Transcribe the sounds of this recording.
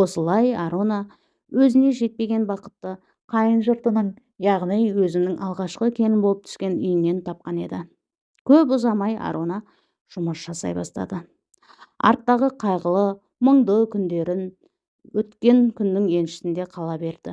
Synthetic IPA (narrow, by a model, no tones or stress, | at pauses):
wo̞səlˠɑjɑɾonɑ | wɵzɪne̞ʒe̞t̪̚pe̞ɡʲe̞nbɑqə̥t̪ːə | qʰɑjənʒʊɾt̪ənəɴ | jɑʁnijwɵzɪnɪŋʔɑlˠʁɑʃqəkʲʰe̞nɪnbolˠəpt̪ʰʏ̥skʲe̞nʏjɪnːe̞nt̪ʰɑp̚qɑne̞̰d̪ɪ | kʲʰɵpʊzɑmɑjɑ̰ɾʔonɑ | ʒ̥ʊməsʒ̥ɑsɑ̰jbɑst̪ɑ̰d̪ə | ɑ̰ɾt̪ːɑʁəqʰɑjʁəlˠə | məɴd̪əkʲʰʏnd̪e̞ɾɪn | wɵt̪kʲe̞ŋkʲʰʏnːɪŋe̞nʃɪ̥sɪnd̪e̞qʰɑlˠɑbe̞ɾd̪̥ɪ